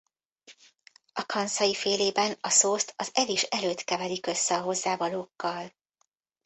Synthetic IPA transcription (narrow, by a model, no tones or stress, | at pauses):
ɒkɒnsɒjifeːleːbɛnɒsoːst̪ɒzɛliʃɛløːt̪kɛvɛlikø̞sːɛɒɦo̞zːaːvɒloːkːɒl